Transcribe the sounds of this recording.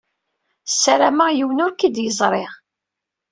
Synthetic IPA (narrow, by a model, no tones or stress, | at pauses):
sːæɾæmajiwənʊɾkid̪jəzˤɾˤeʁ